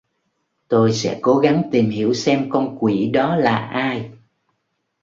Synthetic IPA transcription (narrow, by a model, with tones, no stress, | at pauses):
t̪o˧jsɛ̰˧˥ko˨˦ɣa˨˦ŋt̪i˨˩mhḭ˧˩əwsɛ˧mkɔ˧nkwi˧˩ɗɔ˨˦laː˨˩ʔaː˧j